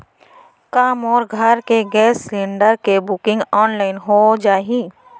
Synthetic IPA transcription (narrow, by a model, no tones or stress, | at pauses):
kaːmɔːɾɡʱəɾkeɡɛːsːlɪ̃ɳɖəɾkebʊkɪ̃ŋɡɔːnlaːɪnɦod͡ʒaːɦi